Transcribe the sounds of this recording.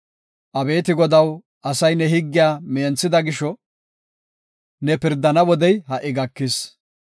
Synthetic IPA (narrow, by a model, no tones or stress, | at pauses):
ʔɐbe̞ːt̪ɪɡɔd̪ɐw | ʔɐsɐjnɛɦɪɡːɪjaːmeːnt͡sːɪd̪ɐɡɪʃɔ | nɛpɪɾd̪ɐnɐwɔd̪ɛjɦɐʔɪɡɐkːɪs